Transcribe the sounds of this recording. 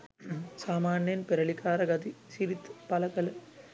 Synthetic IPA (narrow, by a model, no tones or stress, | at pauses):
saːmaːnjɐnpeɾɐɭikːaːɾɐɡɐd̪isiɾit̪ːpɐlɐkɐlɐ